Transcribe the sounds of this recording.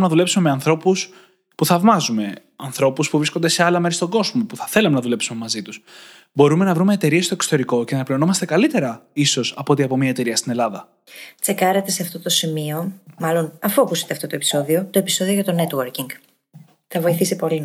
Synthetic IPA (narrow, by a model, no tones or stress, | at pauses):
nɐðule̞psume̞meɐnθɾo̞pus | puθɐvmɐzume̞ | ɐnθɾo̞puspuvɾiskond̪e̞se̞ɐlɐmeɾist̪o̞ɡo̞zmo̞puθɐθe̞lɐme̞nɐðule̞psume̞mɐzit̪us | bo̞ɾume̞nɐvɾume̞ːt̪e̞ɾie̞st̪o̞ekso̥t̪e̞ɾiko̞cenɐplio̞no̞mɐst̪e̞kɐlit̪e̞ɾɐiso̞sɐpo̞t̪iɐpo̞miɐet̪e̞ɾiɐst̪ine̞lɐðɐ | t͡se̞kɐɾe̞t̪e̞seɐft̪o̞t̪o̞simio̞mɐlo̞nɐfoɐpuset̪e̞ɐft̪o̞t̪oepi̥so̞ðio̞t̪o̞e̞piso̞ðioʝɐt̪o̞ne̞t̪woɾciŋɡ | θɐvo̞iθisipo̞li